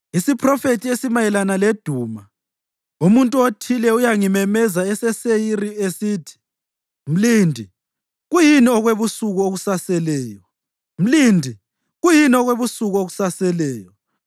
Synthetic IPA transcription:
isipʰrɔfetʰʼiesimajɛlanaled̥ʱuːma | umuntʼuotʰilɛujaŋimɛmɛzaɛsɛsejiriesiːtʰi̥ | m̩liːndʱi | ɣujiniɔɣweβusuɣuoɣusasɛlɛːjɔ | m̩liːndʱi | ɣujiniɔɣweβusuɣuoɣu̥sasɛlɛːjɔ

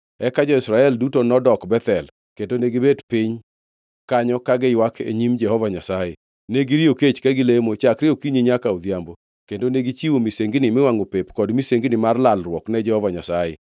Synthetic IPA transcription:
ɛkad͡ʒɔɪsɾaɛldutonɔdɔkbɛt̪ɛl | kendoneɡɪbedpɪɲ | kaɲɔkaɡɪjwakʰḛɲimd͡ʒɛhɔvaɲasaje | neɡɪɾioket͡ʃkaɡɪlemot͡ʃakɾɪokiɲiɲakaɔd̪jambo | kendoneɡit͡ʃiwomiseŋɡɪnɪmɪwaŋopepkɔdmiseŋɡnɪmarlalrwɔknɛd͡ʒɛhɔvaɲasajḛ

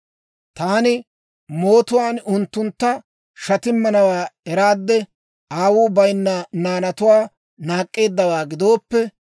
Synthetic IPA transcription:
t̪aːnɪ | moːt̪ʊwaːnʊnt̪ːʊnt̪ːɐ | ʃɐt̪ɪmːɐnɐwaːɛɾaːd̪ːɛ | aːwʊːbɐjnːɐnaːnɐt̪ʊwaː | naːkʼːe̞ːd̪ːɐwaːɡɪd̪o̞ːpːɛ

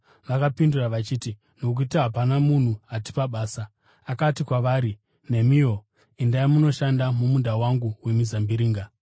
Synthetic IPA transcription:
ʋakapinduraʋat͡ʃiːti | nok̬uitaɦapanamun̤uati̥paɓaːsaː | katikwaʋaːɾi | ne̞mio̞ | indaimuno̞ʃandamumudʱawaŋɡuwe̞mizambiɾiːŋɡa

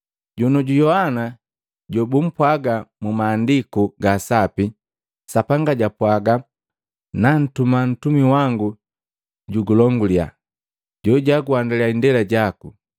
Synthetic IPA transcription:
ɟunɔɟujɔhana | ɟɔbum̩pwaɡamumaːndikuɡasapi | sapaŋɡaɟapwaɡa | nan̩tuman̩tumiwaŋɡu | ɟuɡulɔŋɡulja̰ | ɟɔɟaɡuandalɛaindɛlaɟaku

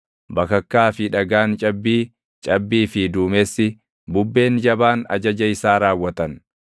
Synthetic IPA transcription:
bɐkɐkːaːfɪᶑɐɡaːnt͡ʃʼɐbːiː | t͡ʃʼɐbːiːfɪd̪uːmɛsːɪ | bʊbːe̞ːnd͡ʒɐbaːnɐ̰d͡ʒɐd͡ʒɐɪsaːɾaːwːɐt̪ɐn

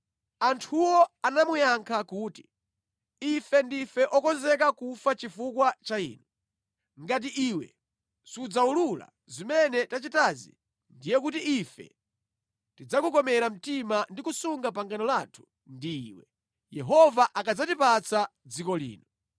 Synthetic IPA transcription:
antʰuwɔanamujaŋkʰakuːti̥ | ifɛndifɛʔɔkɔnzɛkakufat͡ʃifukwat͡ʃaḭːnɔ | ŋɡat̬iʔiːwɛ̰ | sud͡zaulula̰ | zimɛnɛtat͡ʃitazḭ | ndijɛkutiːfɛ̰ | tid͡zakukɔmɛɾam̩timandikusuŋɡapaŋɡanɔlaːtʰu̥ | ndiːwɛ | jɛɦɔvaʔakad͡zatipat͡sad͡zikɔlḭːnɔ

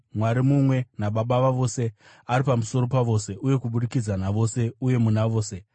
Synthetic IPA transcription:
mwaɾimumwe̞naɓaɓaʋaʋo̞se̞ | aɾipamuso̞ɾo̞paʋo̞ːse̞ʔuje̞kuɓuɗikid͡zanaʋo̞se̞uje̞munaʋo̞ːse̞

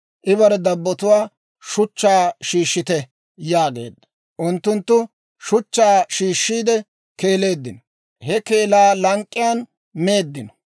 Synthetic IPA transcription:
ʔɪβɐɾɛd̪ɐbːɔt̪ʊwaː | ʃʊt͡ʃːaːʃiːʃːɪt̪ɛ | jaːɡe̞̰ːd̪ːɐ̥ | ʔʊnt̪ːʊnt̪ːʊ | ʃʊt͡ʃːaːʃiːʃːiːd̪ɛ | ke̞ːle̞ːd̪ːɪnɔ | hɛke̞ːlaːlɐŋkʼːɪjaːn | me̞ːd̪ːɪnɔ

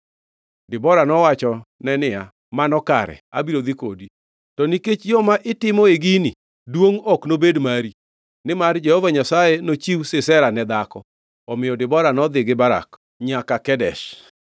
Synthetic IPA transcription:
dɪbɔɾanɔwat͡ʃɔnɛnɪa | manɔka̰ɾɛ̰a̰biɾod̪ikodi | tɔniket͡ʃjɔmaʔɪtɪmɔeɡini | dwoŋɔknobedmaɾi | nɪmard͡ʒɛhɔvaɲasajenot͡ʃiwsɪsɛɾanɛd̪akɔ | ɔmɪjɔdɪbɔɾanɔd̪ɪɡɪbaɾa̰k | ɲakakɛdɛ̰ʃ

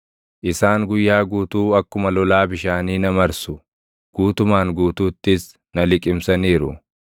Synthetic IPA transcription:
ʔɪsaːŋɡʊjːaːɡuːt̪uːɐkːʊmɐlɔlaːbɪʃaːniːnɐmɐɾsʊ | ɡ̥uːt̪ʊmaːŋɡuːt̪uːt̪ːɪs | nɐlɪkʼɪmsɐniːɾʊ̰

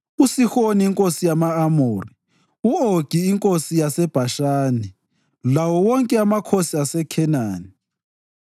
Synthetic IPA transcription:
usixoniːŋkʼosijamaːmoːri | uoɡ̥ʱiːŋkʼosijasɛb̥ʱaʃaːnɛ | lawɔwɔŋkʼɛamakʰosiasɛkʰɛnaːni

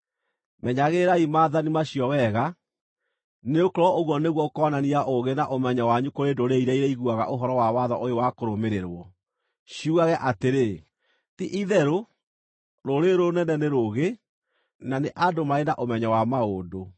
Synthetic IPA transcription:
mɛɲaɣeɾaimaːðanimaɕiɔwɛɣa | neokoɾɔoɣwɔneɣwɔokɔnaniaʔoɣenaʔomɛɲawaɲukoɾeːdoɾeiɾɛiɾɛiɣuaɣa̰ʔoɦɔɾɔwawaðɔʔojowakoɾomeɾeɾwɔ | ɕiuɣaɣɛʔateɾe | tiʔiðɛɾo | ɾoɾeɾonɛnɛnɛɾoɣe | naneʔadomaenaʔomɛɲawamaodo

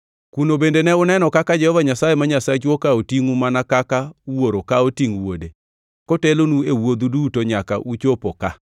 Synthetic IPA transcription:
kunobendenɛʊnɛnɔkakad͡ʒɛhɔvaɲasajemaɲasat͡ʃwokaotiŋumanakakawoɾokaotiŋwode | kotelonuewod̪udutoɲaka̰ʔut͡ʃopoka

